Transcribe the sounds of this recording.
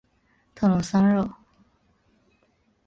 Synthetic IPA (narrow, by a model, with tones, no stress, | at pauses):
t̪ʰɤ˥˩˨lʊ˧˥ŋsa˥ŋɻo˥˩